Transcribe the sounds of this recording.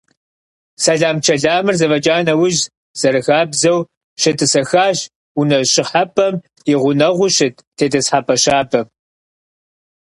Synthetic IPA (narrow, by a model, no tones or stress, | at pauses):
sɐɮaːmt͡ʃʰɐɮaːmɨrzɐvɐd͡ʒaːnɐwʊʒ | z̥ɐɾɨxaːbzɐw | ɕɨtʰɨsɐxaːʒ | unɐɕʼɪħapʰʼɐm | jɪʁʷʊnɐʁʷʊɕɪt̚ʰtʰeːdɐsħapʰɐɕaːbʰɐm